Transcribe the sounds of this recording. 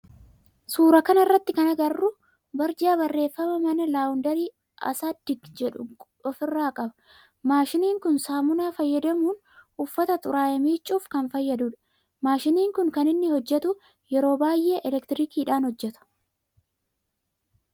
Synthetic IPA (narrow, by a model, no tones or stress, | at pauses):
suːɾɐkɐnɐɪrːɐt̪ːɪkɐnɐɡɐrːʊ | bɐɾd͡ʒaːbɐrːe̞ːfːɐmɐmɐnɐlaːʊnd̪ɐɾiː | ɐ̰saːd̪ɪɡd͡ʒɛᶑʊ | ɔfɪrːaːkʼɐbɐ̥ | maːʃɪniːŋkʊnsaːmʊnaːfɐjːɐd̪ɐmuːn | ʊfːɐt̪ɐt̪ʼʊɾaːjɐmiːt͡ʃʼːuːfkɐnfɐjːɐd̪ʊᶑɐ̥ | maːʃɪniːŋkʊŋkɐnɪnːɪhɔd͡ʒːɛt̪ʊ | jɛɾo̞ːbaːjʔe̞ːʔɛlɛkt̪ɪɾiːkiːᶑaːnhɔd͡ʒːɛt̪ʊ̥